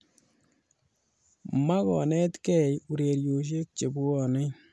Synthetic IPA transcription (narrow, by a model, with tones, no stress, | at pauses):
ma˦kɔ̰˨nɛ˦tkɛ˦˨ju˨ɾe˨ɾjo˨ʃ̬e˦k̚t͡ʃe˨bu˦ɔ˨nɪ˦